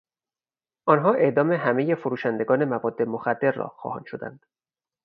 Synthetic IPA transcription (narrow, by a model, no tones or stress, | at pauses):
ʔɒnɦɒːʔe̞ʔd̪ɒːme̞ɦæmeje̞foɾuːʃænd̪eɡɒːne̞mævɒːd̪ːe̞moxæd̪ːe̞ɾːɒ̰ːxɒ̰ːhɒ̰ːnʃo̞d̪æ̰nd̪̥